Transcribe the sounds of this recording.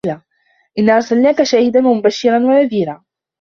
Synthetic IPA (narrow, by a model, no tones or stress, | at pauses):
laː | ʔɪnːaːʔɑɾˤsalnaːkaʃaːhɪd̪anwamʊbaʃːɪɾˤɑnwanaðiːɾaː